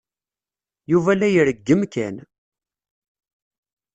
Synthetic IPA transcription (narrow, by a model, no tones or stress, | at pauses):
juvælæjəɾəɡːəmkæ̰n